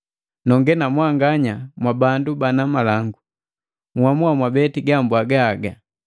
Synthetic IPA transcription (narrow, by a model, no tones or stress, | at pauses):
nɔŋɡɛnamwaŋɡaɲamwabandubanamalaŋɡu | ŋ̩hwamuamwabɛtiɡambwaɡaːɡa